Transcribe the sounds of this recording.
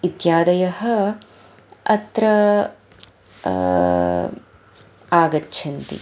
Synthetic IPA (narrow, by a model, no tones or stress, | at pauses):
it̪jaːd̪ɐjɐɦɐ | ɐt̪ɾɐ | aːɡɐtːt͡ʃʰɐnt̪ḭ